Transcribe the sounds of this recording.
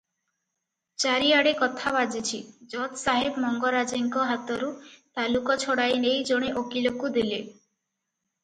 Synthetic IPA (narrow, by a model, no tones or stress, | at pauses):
t͡ʃaɾiaɽekɔt̪ʰabad͡ʒit͡ʃʰid͡ʒɔt̪saɦebmɔŋɡɔɾad͡ʒiŋkɔɦat̪ɔɾut̪alukɔt͡ʃʰɔɽajnejd͡ʒoɽ̃eʔokilokud̪ile